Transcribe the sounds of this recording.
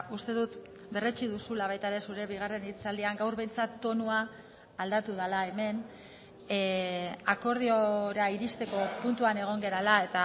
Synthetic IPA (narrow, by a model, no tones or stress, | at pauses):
ust̪e̞ðut̪ | be̞ret͡ʃiðusulaβ̞ajt̪aeɾe̞suɾe̞β̞iɣ̞are̞nit͡sald̪iaŋɡawɾβe̞jnt͡sat̪ːo̞nuaː | ld̪at̪uð̞alae̞me̞n | ako̞ɾð̞ioɾaiɾist̪e̞ko̞punt̪uane̞ɣ̞o̞ŋɡe̞ɾalae̞t̪a